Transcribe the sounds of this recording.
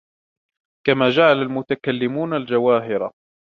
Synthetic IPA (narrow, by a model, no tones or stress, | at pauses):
kamaːd͡ʒaʕalalmʊt̪akalːɪmuːnald͡ʒawaːɦɪɾa̰